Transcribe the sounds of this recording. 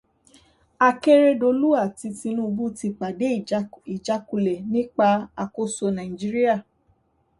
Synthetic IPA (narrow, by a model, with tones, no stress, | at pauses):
a˧ke˦ɾe˦do˧lu˦a˦˨ti˧ti˧nũ˦˧bu˦ti˧k͡pa˨de˨˦i˨d͡ʒa˨˦ku˧˨lɛ˨nĩ˦k͡pa˧a˧ko˦so˧nã˨ĩ˨d͡ʒi˦ɾi˦a˦˨